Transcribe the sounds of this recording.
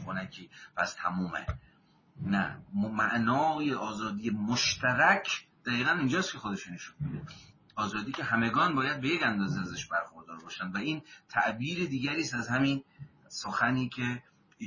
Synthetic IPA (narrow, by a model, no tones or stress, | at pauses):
xonækʰiːpʰæst̪ʰæmuːmḛ | næ̰mæʔnɒːjeʔɒːzɒːd̪ijemoʃt̪ʰæɾæcʰd̪̥æɣiːɣænind͡ʒɒːst̪̚kʰe̞xod̪e̞ʃune̞ʃunbid̪e | ɒːzɒːd̪iːcʰeɦæme̞ɡɒːnbɒːjæd̪̚be̞jecænd̪ɒːzeæzæʃbæɾxoɾd̪ɒːɾbɒːʃænd̪væiːnt̪ʰæʔbiːɾed̪iːɡæɾiːst̪æzhæmin | soxæniːkʰe̞